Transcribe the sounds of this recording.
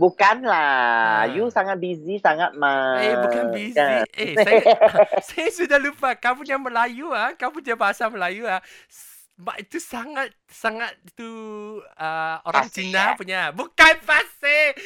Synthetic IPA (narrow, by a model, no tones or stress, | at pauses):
bukanlajusaŋat̪̚bizisaŋat̪̚maebukanbizieaasajasudahlupakamuŋjaŋməlajuakapuɲabaɦasaməlajuas | maʔit̪usaŋat̪̚ | saŋat̪̚it̪u | əoɾaŋt͡ʃinapuɲabukanpase